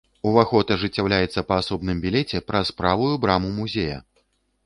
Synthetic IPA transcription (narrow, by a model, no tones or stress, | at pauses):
uvaxɔt̪ɐʐɨt͡sʲːawlʲajɛt̪sːɐpɐːsɔbnɨmbʲilʲɛt͡sʲɛpɾɐsːpɾavujubɾamumuzʲejɐ̰